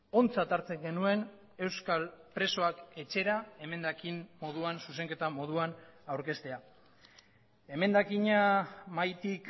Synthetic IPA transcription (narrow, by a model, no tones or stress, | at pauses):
o̞nt͡sat̪aɾt͡se̞ŋɡe̞nue̞n | e̞wskalpɾe̞so̞ake̞t͡ʃe̞ɾae̞me̞nd̪akimmo̞ð̞uansuse̞ŋke̞t̪amo̞ð̞uanawɾke̞st̪e̞a | e̞me̞nd̪akiɲamajt̪ik